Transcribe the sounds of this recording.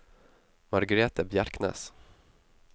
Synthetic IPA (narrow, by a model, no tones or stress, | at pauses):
mɑɾɡəɾeːt̪əbjaɾknɛ̰ːs